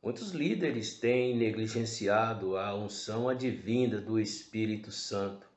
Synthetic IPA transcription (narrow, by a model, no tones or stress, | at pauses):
mũj̃t̪ʊzlid̪eɾɪst̪ẽj̃neɡliʒẽsiad̪ʊɐũsɐ̃w̃ɐd͡ʒivĩd̪ɐd̪ʊespiɾit̪ʊsɐ̃nt̪ʊ̥